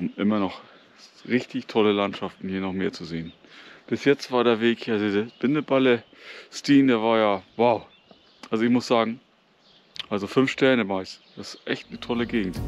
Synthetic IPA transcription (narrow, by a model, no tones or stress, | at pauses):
ʊmʔɪmɐnɔχ | ʁɪçtɪçtʰɔləlantʃaftn̩hiːɐnɔχmeːɐt͡suzeːən | b̥ɪsjɛt͡stv̥aːɐɾeːɐveːkhiːdidb̥ɪndəbalə | stiːndeːɐvaːɐjaːvaʊ | ʔalzoɪçmʊsz̥aːɡŋ̩ | ʔalzofʏnfʃtɛɐnəmaɪsd̥asɪ̥ʔɛçtnətʰɔləɡeːɡŋ̩t